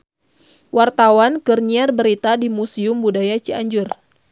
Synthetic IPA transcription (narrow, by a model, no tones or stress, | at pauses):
wart̪awankərɲiarbəɾit̪adimusiʊmbudajat͡ʃiaɲd͡ʒʊr